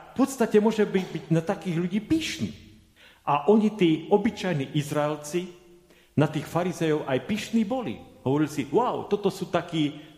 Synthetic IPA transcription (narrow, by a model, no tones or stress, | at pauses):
fpɔt̪st̪acɛmʊɔʒɛbibiɟnat̪akiːɣʎuɟiːpiːʃnḭː | aʔɔɲit̪iːɔbit͡ʃajniːʔizɾaɛlt͡si | nat̪iːxfaɾizɛjɔʊʔajpiːʃniːbɔlḭɦɔʋɔɾilsiwaʊt̪ɔt̪ɔsuːt̪akiː